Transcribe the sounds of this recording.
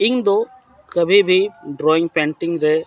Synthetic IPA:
ɪŋd̪o | kɐbibiɖɾoːɪŋpeːɳʈɪŋɾe

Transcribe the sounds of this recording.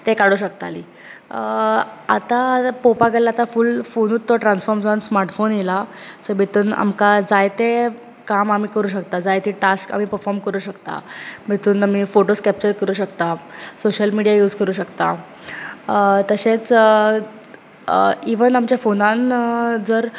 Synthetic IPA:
t̪ekaɽuɕəkt̪a̰lḭː | a̰t̪apopaɡəlaat̪afulfonuːt̪ːɔʈɾãnsfɔɾmsansmaɾʈfonjelasəɾbit̪uːna̰mkad͡zajt̪e | kamam̤iːkəɾuːɕ̬əkt̪ad͡zajt̪iːʈaska̰m̤iːpəɾfɔɾmkəɾuːɕəkt̪a̰m̤it̪uːnam̤iːfoʈoskɛp̚t͡ɕəɾkəɾuːɕəkt̪asoɕəlmiɽijajuːd͡zkəɾuːɕəkt̪a | t̪əɕet͡s | iʋənamt͡ɕjafonãnd͡zəɾ

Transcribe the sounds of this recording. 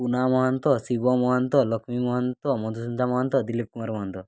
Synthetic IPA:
punamɔɦant̪ɔsibɔmɔɦɔnt̪ɔlɔkʰmimɔɦɔnt̪ɔmɔd̪ʱusund̪ʱamɔɦɔnt̪ɔd̪ilip̚kumaɾmɔɦɔnt̪ɔ

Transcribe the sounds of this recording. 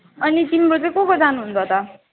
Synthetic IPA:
ʌnit̪imɾot͡sʌĩkokod͡zanuɦunt͡sʰʌt̪ʌ

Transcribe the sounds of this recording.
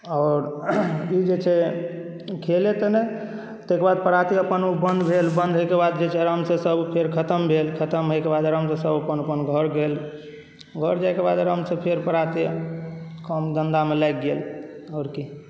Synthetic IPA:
ɔʊɾid͡ʒet͡ʃʰɛ | kʰelet̪ənɛ | t̪ekbad̪̚pəɾat̪iəpənubənd̪ʱbʱelbənd̪ʱɦojkebad̪d͡ʒet͡ʃʰɛɾəmsẽsəbpʰeɾkʰət̪əmbʱelkʰət̪əmɦojkebad̪ɾəmsə̃səbəpənəpənɡʱəɾɡel | ɡʱəɾd͡ʒajkebad̪ɾəmsẽpʰeɾpəɾat̪i | kɔmd̪ənd̪amelajɡ̚ɡelɔːɾki

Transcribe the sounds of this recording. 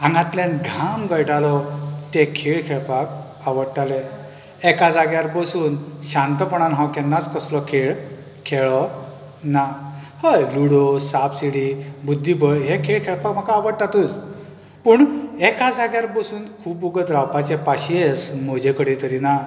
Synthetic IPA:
ãŋɡãt̪lenɡʱamɡəjʈalɔt̪ekʰeɭkʰɛɭpak | aʋəɽʈale | ɛkad͡zaɡjaɾbəsuːnɕãnt̪əpɔɳanɦãwkɛnːat͡skəslɔkʰeɭ | kʰɛɭɔ | na | həjluɽɔsapsiɽibud̪ʱːibəjɦekʰeɭkʰɛɭpakm̤akaːʋəɽʈ̪at̪uːt͡s | puɳɛkad͡zaɡjaɾbəsuːnkʰuːbuɡəd̪ɾawpat͡ɕepaɕiesm̤ɔd͡ʑekəɽit̪əɾina

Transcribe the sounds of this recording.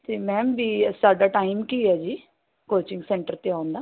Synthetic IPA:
t̪eːmɛ̃ːbiːsaːɖaːʈaːɪmkiːɛːd͡ʒiː | koːt͡ʃɪ̃ŋɡsɛ̃ːɳʈəɾt̪eːãːʊ̃nd̪aː

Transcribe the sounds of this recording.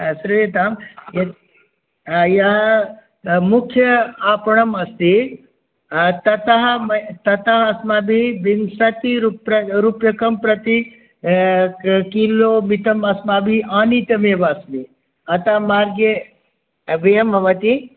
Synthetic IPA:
sɾuet̪aːmjɐ | jɐ | mukʰjɐaːpɐɳɐmɐst̪i | t̪ɐt̪aɦmt̪ɐt̪aɦɐsmaːbʱibinsɐt̪iɾupɐɾupjɐkɐmpɾɐt̪i | kiloːmit̪ɐmɐsmaːbʱiʔaːnit̪ɐmeːbasmi | ɐt̪amaːɾɡe | bejɐmʱɐʋɐt̪i

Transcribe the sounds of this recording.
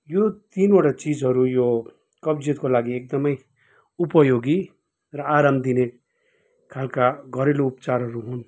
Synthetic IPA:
jot̪inoʈat͡sid͡zɦʌɾujo | kʌbd͡zit̪kolaɡiek̚d̪ʌmʌj | upʌjoɡi | rʌaɾambd̪ine | kʰalkaɡʱʌɾeloupt͡saɾɦʌɾuɦun

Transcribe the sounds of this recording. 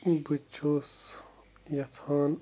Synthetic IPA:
but͡ʃʰoːs | jɐt͡sʰaːn

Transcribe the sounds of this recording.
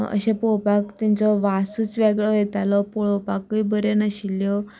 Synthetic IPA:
ə̰ɕẽpoɭpakt̪aɲt͡ɕɔʋasət͡sʋeɡɭɔjet̪alɔpoɭopakːuibəɾenəɕiljɔ

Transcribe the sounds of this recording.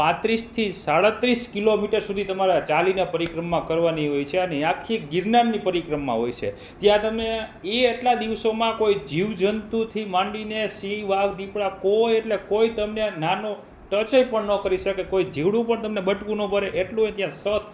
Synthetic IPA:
pãt̪ɾist̪ʰisaɽət̪ɾiskilomiʈəɾsud̪ʱit̪əmaɾat͡ʃalinapəɾikɾəmːãkəɾʋaniɦojt͡ʃʰeəneakʰiɡiɾnanːipəɾikɾəmːã̰ɦojt͡ʃʰḛ | t̪jãt̪əmneeːʈlad̪iʋsomãkoid͡ʒiʋd͡ʒənt̪ut̪ʰimãɳɖinesĩʋaɡd̪ipɽakojeʈlekoit̪əmnenano | ʈət͡ʃəjpəɳnəkəɾiʃəkekoid͡ʒiʋɽũpəɳt̪əmnebəʈkũnõbʱəɾeʔeʈlũt̪jãsət̪ʰ

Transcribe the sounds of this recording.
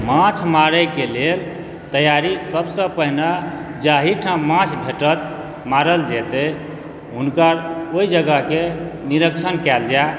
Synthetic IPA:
mãt͡ʃʰmaɾɛkelel | t̪əjaɾisəbsə̃pəɦinad͡ʒaɦiʈʰãmãt͡ʃʰbʱeʈət̪ | maɾəld͡ʒɛt̪ɛ | ɦunkəɾoid͡ʒəɡəkeniɾəkt͡ʃʰənkɛld͡ʒa

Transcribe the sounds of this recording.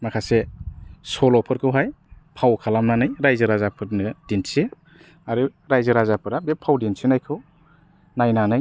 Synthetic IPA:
makʰasesɔlɔpʰɯɾkʰɯwɦajpʰawkʰalamnanɯjɾajzɯɾazapʰɯɾnɯdinse | aɾɯɾajzɯɾazapʰɯɾabepʰːawdinsinajkʰɯw | najnanɯj

